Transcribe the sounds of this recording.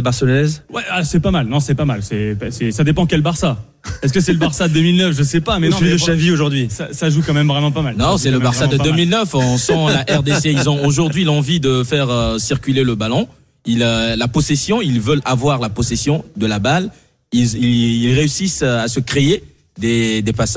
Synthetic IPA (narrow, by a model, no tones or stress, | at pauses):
baʁsɔnɛzwɛasɛpamalnɔ̃sɛpamalsɛpsɛsad̪epɑ̃kʲɛlbaʁsa | ɛs̬kəsɛləbaʁsad̪əmilnəfʒəsɛpamɛid̪əʃavioʒuʁd̪ɥisa̰saʒukɑ̃mɛmvʁɛmɑ̃pamalnɔ̃sɛləbaʁsad̪əd̪ømilnəfɔ̃sɑ̃laʔɛʁd̪eseillzɔ̃oʒuʁd̪ɥilɑ̃vid̪əfɛʁøsiʁkʲyleləbalɔ̃ | illapɔsesjɔ̃ilvœlavwaʁlapɔsɛsjɔ̃d̪əlabal | iliilʁeysisasəkχee | d̪ed̪epasa